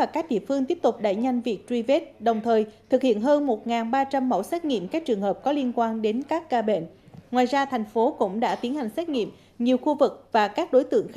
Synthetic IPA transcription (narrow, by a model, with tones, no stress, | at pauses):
aː˨˩kaː˦˥k̚ɗḭ˧˨əfɨ˧əŋt̪i˦˥əp̚t̪ʊ˨˩k͡p̚ɗa̰ː˧˨jɲa˧jŋ̟vi˨˩ək̚t͡ɕwi˧ve˦˥t̚ɗə˨˩wŋ͡mt̪ʰəː˨˩jt̪ʰɨ˨˩k̚hḭ˧˨ənɦəː˧nmo˨˩t̚ŋaː˨˩nɓaː˧t͡ɕa˧mːə̰˧˩wsɛ˦˥t̚ŋḭ˧˨əmkaː˦˥k̚t͡ɕɨ˨˩əŋhɦəː˨˩p̚kɔ˨˦li˧ənkwaː˧nɗe˨˦nkaː˦˥kːaː˧ɓḛ˧˩˨nŋwaː˨˩jzaː˧t̪ʰɛ˨˩jŋ̟fo˨˦kʊ̰˧˥ŋ͡mɗa̰ː˧˥t̪i˨˦ənha˨˩jŋ̟sɛ˦˥t̚ŋḭ˧˨əm | ɲi˨˩əwxu˧vɨ˨˩k̚vaː˨˩kaː˦˥k̚ɗo˨˦jt̪ɨ̰˧˨əŋ